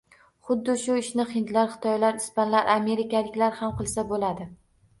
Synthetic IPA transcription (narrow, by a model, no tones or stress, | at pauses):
χʊd̪ːɪʃʊɪʃnɪχɪnd̪laɾχɨ̥t̪ʰɒjlaɾɪspanlaɾʔame̞ɾɪkʲalɪkʲlaɾhamqɨlˠsabolad̪ɪ